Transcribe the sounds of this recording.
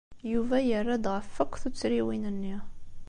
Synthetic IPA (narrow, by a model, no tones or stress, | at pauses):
juvæjərːad̪ʁəfːəkʷːθut͡sːɾiwinənːi